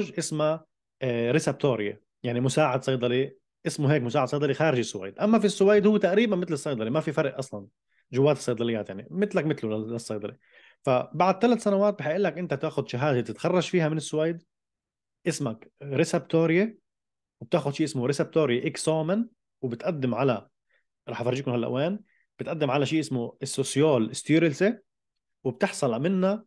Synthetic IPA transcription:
ʒʔɪsma | ɾɪseb̚t̪oːɾɪje | jaʕnimʊsaːʕɪd̪sɑjd̪ˤɑli | ʔɪsmuɦeːkmʊsaːʕad̪sˤɑjd̪ˤɑlixaːɾɪʒɪsːʊwa̰ːd̪ʔamːafisːʊwajːd̪hʊwːt̪aʔɾiːbanmɪt̪lɨsˤɑjd̪ˤɑlimafifɑɾˤʔʔɑsˤlɑn | ʒʊwːaːt̪ɪ̥sˤːɑjd̪ˤɑlɪjːaːt̪jaʕnimɪt̪lakmɪt̪lʊllɪsˤːɑjd̪ˤɑli | fabaʕd̪̚t̪alat̪sanawaːt̪̚bɪħɪʔɪlːakʔɪnt̪ab̚t̪aːxʊd̪ʃɪɦaːzet̪ɪt̪xɑrˤːɑʒfiːhamɪnɪsːʊwajd̪ | ʔɪsmakɾɪsebt̪oːɾje | wɪb̚t̪aːxʊd̪ʃiːʔɪsmʊɾɪseb̚t̪oːɾjeʔɪksoːman | wɪbɪt̪ʔad̪ːɪmʕala | ɾˤɑːħfɑɾˤːiːkʊnhalːʔa̰ʔweːn | b̥ɪt̪ʔad̪ːɪmʕalaʃiːʔɪsmuɪsːosjoːlʔɪst̪uːɾɪlse | wɪb̚t̪ɪħsˤɑlamɪnːa

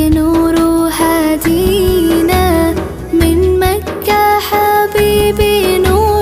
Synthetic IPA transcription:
nuːɾuħad̪iːna | mɪnmakːaħabiːbinuː

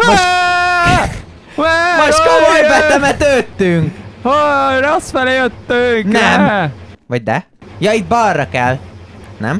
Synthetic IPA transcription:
mo | mɛmoʃt̪komojɛb̪ɛmɛt̪øt̪ːyŋkhorosfɛlɛjøt̪ːyŋknɛmvɒɟ̚d̪ɛ | jɒit̪̚bɒrːɒkɛlnɛm

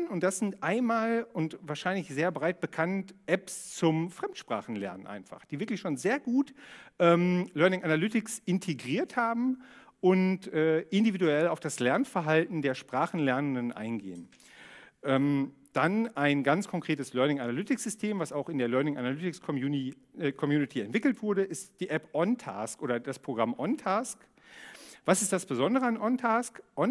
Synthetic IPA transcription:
nʊnt̚d̥asz̥ɪntʔaɪnmaːlʊntvaːɐʃaɪnlɪçz̥eːɐbʁaɪt̚b̥əkʰantʔɛpst͡sʊmfʁ̥ɛmtʃpʁ̥a̰ːχn̩lɛ̰ɐnənʔa̰ɪnfa̰χd̥iːvɪɐklɪçʃoːnzeːɐɡuːtʔɛːmlœɐnɪŋʔanalʏtɪksʔɪntʰeɡʁiːɐthaːbm̩ʔʊntʔɛːʔɪndividuɛlaʊfd̥aslɛɐnfɛɐɦaltn̩deːɐʃpʁ̥aːχn̩lɛɐnəndənʔa̰ɪnɡḛːən | ʔɛːm | d̥anaɪnɡant͡skʰɔŋkʁ̥eːtəslœɐnɪŋanalʏtɪkz̥ʏstʰeːmvasaʊxɪndeːɐlœɐnɪŋanalʏtɪksʰ | kʰɔmjuːnɪtʰiɛntv̥ɪkl̩tv̥ʊɐɾəʔɪstd̥iːʔɛpʔɔntʰa̰ːskʔoːɾɐdaspʁ̥oɡʁamʔɔntʰaːsk | v̥asɪstd̥asb̥əzɔndəʁəanʔɔntʰaːskʔɔn

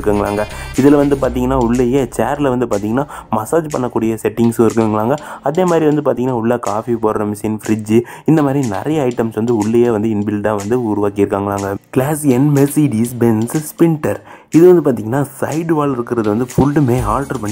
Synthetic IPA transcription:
kːɐŋɡɐɭa̰ːŋɡɐɪðɪlʋɐnd̪ɯp̬aːɾt̪̬iːŋɡɐnːaːʊɭːɐjeːt͡ʃeːɾlɐʋɐnd̪ɯpaːɾt̪iːŋɡɐnːaːmɐsaːd͡ʒpɐɳːɐkːuːɽɪjɐsɛʈːɪŋɡsʊ̃ɪɾɯkːɯŋɡɐɭaːŋɡɐɐðeːmaːd̪ɾiʋɐnd̪ɯpaːɾt̪iːŋɡɐnːaːʊɭːɐkaːfipoːɾɾɐmɪsinfɪɾɪd͡ʒɯ | ɪnd̪ɐmaːd̪ɾinɛ̰ɾɐjɐɐɪʈːɐmsʋɐnd̪ɯʊɭːɐjeːʋɐnd̪ɯɪnbɪlɖ̪ãːʋɐnd̪ɯʊɾʊʋaːkɪjɪɾɯkːaːŋɡɐɭaːŋɡɐkɪlaːsɛnmɛsiːɖisbɛnsspɪɳʈɐɾ | ɪðɯʋɐnd̪ɯpaːɾt̪iːŋɡɐnːaːsɐɪɖʋaːɭɪɾɯkːɪɾɐðɯʋɐnd̪ɯfʊɭɖɯmeːaːlʈɐɾpɐɳː

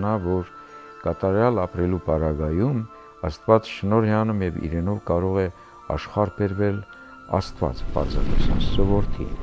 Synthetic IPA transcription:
nɑvɔɾ | kɑt̪ɑɾjɑlɑpɾɛlupɑɾɑɡɑjum | ɑst̪vɑt͡sʃənɔɾjɑnumjɛvḭɾɛnɔvkɑɾɔʁɛ | ɑ̰ʃχɑɾbɛɾvɛl | ɑ̰st̪vɑ̰t͡spɑ̰ɾzɑ̰t̪ɛsɑnsɔvɔɾt̪ʰḭ

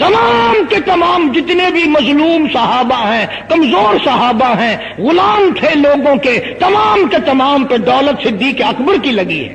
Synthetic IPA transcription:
t̪ɐmaːmket̪ɐmaːmd͡ʒɪt̪nebʱimɐzluːmsɐɦaːbaɦɛ̃ | kɐmzoːɾsɐɦaːbaɦɛ̃ː | ɣʊlaːmt̪ʰeloːɡõket̪ɐmaːmket̪ɐmaːmpẽd̪ɔːlət̪sɪd̪ʱːikeɐkbəɾkilɐɡḭɦɛ̰̃ː

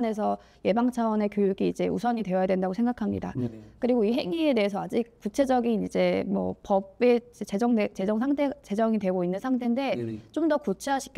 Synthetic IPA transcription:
ne̞sʰʌ | je̞baŋt͡ɕʰawʌne̞kjojuɡiid͡ʑe̞ṵsʰʌɲidwe̞jʌjadwendaɡosʰe̞ŋɡakʰamɲḭda̰kɯɾiɡoiɦe̞ŋie̞de̞ɦes̬ʰʌad͡ʑik̚kut͡ɕʰe̞d͡ʑʌɡinid͡ʑe̞mwʌ̰pʌbe̞d͡ʑet͡ɕed͡ʑʌŋet͡ɕe̞d͡ʑʌŋsʰaŋtʰet͡ɕe̞d͡ʑʌŋidwe̞ɡoinːɯnsʰaŋtʰe̞nde̞t͡ɕomdʌkut͡ɕʰeɦaɕʰi̥kʰ

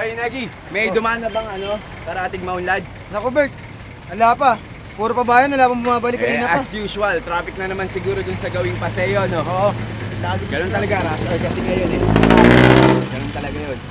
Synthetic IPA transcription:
ʔojnaɡi | mɐjd̪ʊmaːnɐbɐŋɐno̞ | kɐɾɐat̪ɪɡ̚mɐʊnlad̪̚ | nɐkobɛɹt̪̚ | ɐlaːpɐ | puːɾopɐbaːjɐnɐlaːbɐŋbʊmaːbɐlɪkkːɐnːnɐɐɐsjuːʃʊwɐlt̪ɾaːfɪk̚nɐnɐmansɪɡuːɾod̪ʊnsɐɡɐwɪŋpɐsɛjoɐnoʔoːʔolaɡɡɐnont̪ɐlɐɡaɾasɪʔɐjkɐsɛŋɐjonɛs | ɡɐnont̪ɐlɐɡajon

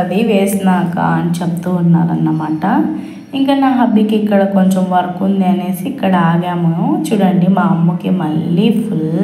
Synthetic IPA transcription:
ɐd̪iʋeːsnaːka̰ɐ̰nit͡ʃep̚t̪uːnːa̰ːɾɐnːɐmaːʈɐ | iŋkɐnaːɦɐbːikiːkːɐɽɐkoɲt͡ʃomʋɐɾkund̪eːneːsiːkːɐɽɐaːɡaːmɐt͡ʃuɽɐɳɖimaːɐmːukemɐɭːif

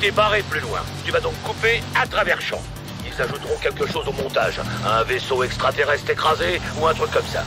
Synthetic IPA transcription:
t̪epaʁeplylwɛ̰̃t̪yvad̪ɔ̃kːupeat̪χavɛʁʃɑ̰̃ | ilzaʒut̪ʁɔ̃kʲɛlkəʃozomɔ̃t̪a̰ʒɛ̃vesoɛkst̪χat̪eʁɛst̪χekχazeuɛ̃t̪χykːɔmsa̰

